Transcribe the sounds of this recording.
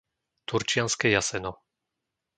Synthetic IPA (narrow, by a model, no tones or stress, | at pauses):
t̪uɾt͡ʃɪanskɛjasɛnɔ